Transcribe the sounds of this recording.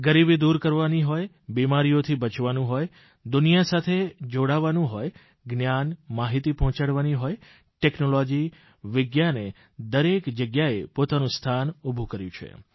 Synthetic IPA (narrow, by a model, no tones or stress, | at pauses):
ɡəɾibid̪uɾkəɾʋaniɦoj | bimaɾijot̪ʰibət͡ʃʋanũɦoj | d̪unijasat̪ʰed͡ʒoɽaʋanũɦoj | ɡnjanmaɦit̪ipɔɦɔ̃t͡ʃaɽʋaniɦoj | ʈeknolɔd͡ʒi | ʋɪɡjane | d̪əɾekd͡ʒəɡjaepot̪anũst̪ʰanubʱũkəɾjũt͡ʃʰḛ